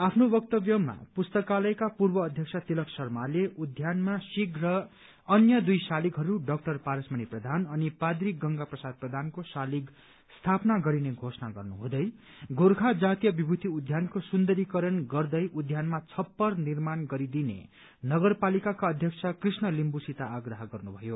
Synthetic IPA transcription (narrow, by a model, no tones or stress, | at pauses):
apʰnobʌk̚t̪ʌbjʌmːa̰pust̪ʌkalʌjkapurbʌːd̪ʱjʌksʰʌt̪ilʌksʌrmaleʔud̪ʱjanmasiɡʱrʌː | njʌd̪ujsalikɦʌɾuɖʌk̚ʈʌrpaɾʌsmʌniprʌd̪ʱanʌnipad̪ɾikɡʌŋɡaprʌsad̪̚prʌd̪ʱankosalik | st̪ʰapnaɡʌɾineɡʱosnaɡʌ̰rnuɦũd̪ʌj | ɡoɾkʰad͡zat̪ijʌbibʱud̪ʱiud̪ʱjankosund̪ʌɾikʌɾʌnɡʌrd̪ʌjʔud̪ʱjanmat͡sʰʌpːʌrnirmanɡʌɾid̪inḛ | nʌɡʌrpalikakaʌd̪ʱjʌkt͡sʰʌkrisnʌlimbusit̪aːɡrʌɦʌɡʌrnubʱʌjo